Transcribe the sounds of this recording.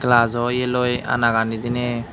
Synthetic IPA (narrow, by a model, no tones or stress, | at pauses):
klazɔjelɔja̰naɡanid̪ine